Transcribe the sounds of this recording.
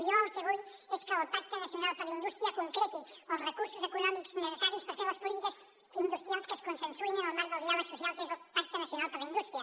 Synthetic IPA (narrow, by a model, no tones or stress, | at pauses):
jot̪eβuj | eskeopak̚t̪onasjonalpaɾlaind̪ust̪ɾiakoŋkɾet̪ikonrekuɾsosekunɔmiksnesesaɾjospaɾkelaspolit̪ikas | ind̪ust̪ɾjalskeskonsensuenelomazðelðjaβesosjalkezopak̚t̪onasjonalpaɾaind̪ust̪ɾia